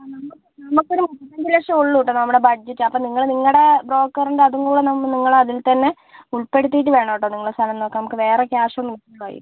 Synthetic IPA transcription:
nɐmːukːɨnɐmukːo̞ɾumutːɐɲd͡ʑileʂɐmoɭːuʈːɨnɐmːuɽebɐd͡ʑetːɨɐpːoːniŋːɐɭniŋːɐɭɽe̞bro̞ːkːɐruɳɖɨɐðuŋɡuːɽenɐmniŋːɐɭɐðilt̪ɐnːe̞ | uɭpe̞ɽut̪ːijiʈ̬ːɨʋe̞ːɳɐʋiʈ̬ːoːniŋːɐɭɽest̪ʰɐlɐmnoːkːɨnɐmukːɨʋe̞ːrekjaːʂɐmːinɐkːɐːa̰ːjḭːɨ

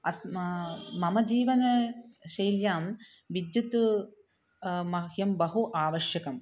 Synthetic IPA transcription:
ɐsmmɐmɐd͡ʒiːʋɐnɐʃɐjljaːm | ʋid̪jut̪u | mɐhjɐmbɐɦuʔaːʋɐʃjɐkɐm

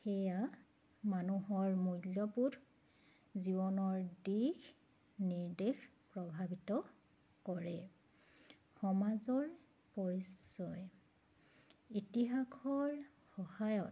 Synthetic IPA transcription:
xɛja | manuɦɔɹmujljɔpud | zibɔnɔɹdix | niɹdex | pɹɔbʱabitɔ | kɔɹɛ | xɔmazɔɹ | pɔɹisɔj | itiɦakʰɔɹ | xɔhajɔt

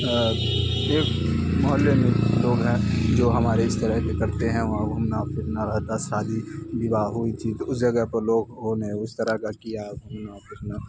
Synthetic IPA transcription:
eːkmɐɦəlːemẽloːɡɦɛ̃d͡ʒoːɦɐmaːɾeɪst̪əɾəɦkekɐɾt̪eɦɛ̃ʋɐɦãɡʱumnafɪɾnaɾəɦt̪asaːd̪ʱibibaɦʊit̪ʰit̪oʊsd͡ʒɐɡəɦpɐɾloːɡɦoːneʊst̪əɾəɦkakijaɡʱumnapɪɾna

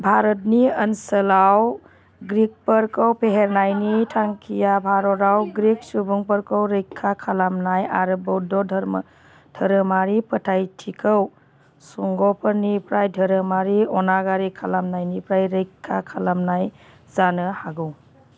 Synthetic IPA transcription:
bʱaɾɔt̚niənsəlaw | ɡɾik̚pəɾkəwpeɦeɾnajnitʰaŋkʰijabʱaɾɔɾawɡɾik̚subuŋpəɾkəwɾejkʰːakʰalamnaja̰ɾɯbɔwdɔdʱɾ | dʱəɾəmaɾipətʰajtʰikʰəw | suŋɡɔpʰəɾnipʰɾajdʱəɾəmaɾiɔnaɡaɾikʰalamnajnipɾajɾəjkʰːakʰalamnaj | zanɯhaɡɯw

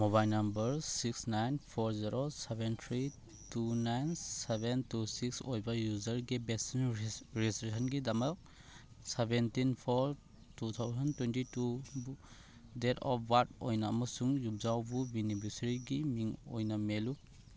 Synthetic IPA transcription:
moβajlnɐmbɐɾsiksnajnpʰɔɾziɾosebentʰɾi | tunajnsebentusiksojbajuzɐɾɡibesinɾistɾisɐnɡidamɐk̚ | sebentinpʰɔɾ | tut̪ʰawzɐntːwentitubu | detɔ̰pʰwatojnaɐmɐsuŋjup̚zawbubinibiɾsiɾiɡimiŋo̰jnamelu

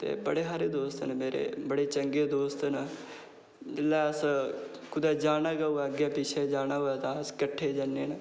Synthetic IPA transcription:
t̪ḛːbəɽeːɦaːɾeːd̪oːst̪nmeːɾḛːbəɽeːt͡ʃəŋɡeːd̪oːst̪na | d͡ʒɪlːɛːəs | kʊd̪ɛːd͡ʒaːnaːɡaoɛːəɡeːpɪt͡ʃʰeːd͡ʒaːnaːoːɛːt̪ãːəskəʈʰːeːd͡ʒanːeːnː

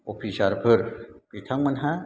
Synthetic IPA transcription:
opʰisaɾpʰəɾpit̪ʰaŋmənɦa

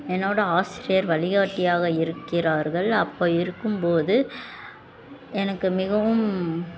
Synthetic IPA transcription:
ɛnːoːɽɐaːsɪɾɪjɐɾʋɐlɪɣaːʈːɪjaːɣɐɪɾɯkːɪraːɾɣɐɭɐpːoːɪɾɯkːɯmpoːðɯ | ɛnɐkːɯmɪɣɐʋɯm

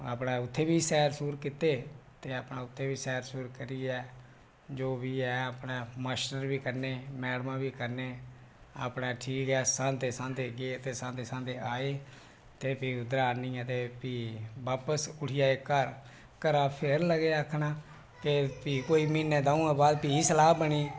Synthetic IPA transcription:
a̰pɽãːʊt̪ʰːeːbiːsɛːɾsuːɾkɪt̪eːt̪eːapɳãːʊt̪ʰːeːbiːsɛːɾsuːɾkəɾiːɛː | d͡ʒoːbiːɛːəpɳãːməsʈəɾbiːkəɾneːmɛːɽmãːbiːkəɾneː | a̰ːpɽãːʈʰiːkɛːsãːd̪eːsãːnd̪eːɡeːt̪eːsãːd̪eːsãːd̪eːaːeː | t̪eːpiːʊd̪ɾaːnĩːɛt̪eːpiːbaːpəsʊʈʰɪjaːekːəɾ | kəɾãːpʰɪɾləɡeːəkʰːɳaː | kepiːkoːiːmiːnːɛ̃ːd̪ãːũãːbaːd̪piːiːsəlaːbəɽiː

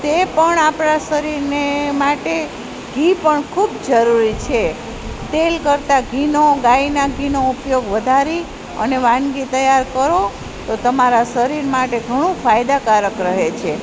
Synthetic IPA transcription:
t̪epəɳapɳasəɾiɾnemaʈe | ɡʱipəɳkʰubd͡ʒəɾuɾit͡ʃʰe | t̪elkəɾt̪aɡʱinoɡainaɡʱinoupjoɡʋəd̪ʱaɾi | ə̰neʋãnɡit̪əjaɾkəɾo | t̪ot̪əmaɾasəɾiɾmaʈeɡʱəɽ̃ũfʰajd̪akaɾəkɾəɦet͡ʃʰe

